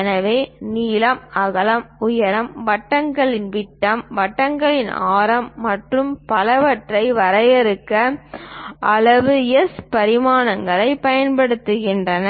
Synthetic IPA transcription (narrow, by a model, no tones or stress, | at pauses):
nɐʋeːniːlɐmɐɣɐlɐmʊjɐɾɐmʋɐʈːɐŋɡɐɭɪnʋɪʈːɐmʋɐʈːɐŋɡɐɭɪnaːɾɐmːɐʈrɯmpɐlɐʋɐʈrɐɪʋɐɾɐjɪɾɯkːɐ | ʔɐlɐʋɯɛspɐɾɪmaːnɐŋɡɐɭɐɪpɐjɐnpɐɽɯt̪ːɯɣɪndrɐn